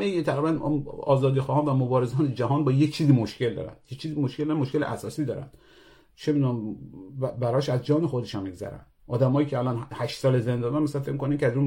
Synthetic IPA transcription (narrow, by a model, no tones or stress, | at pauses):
ejit̪ʰæɣɾibæn̰ɒ̰ːzɒːd̪iːxɒːhɒːnvæmobɒːɾezɒːned͡ʒæɦɒːnbɒːjet͡ʃʰiːzimoʃcʰʲe̞ld̪ɒ̰ːɾæ̰nd̪̥jet͡ʃʰiːzimoʃkʰʲeld̪ɾænmoʃkeleʔæsɒːsiːd̪ɒːɾæ̰nd̪ | t͡ʃʰemid̪uːnæn | bæɾɒːʃæzd͡ʒɒːnexod̪eʃɔnmiɡzæ̰ɾæ̰nd̪ʔɒːd̪æmɒːjiːcʰeælɒnhæʃt̪sɒːlezend̪ɒːdænmæsælænfecmikoniŋcʰʲeæzun